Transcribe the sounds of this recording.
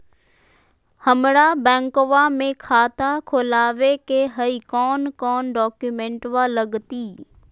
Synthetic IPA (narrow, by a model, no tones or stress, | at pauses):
həmɽaːbɛ̃ːŋkoʋamẽkʰaːt̪akʰoːlaːʋekeɦəikɔːnkɔːnɖɔːkjumẽɳʈʋaləɡt̪iː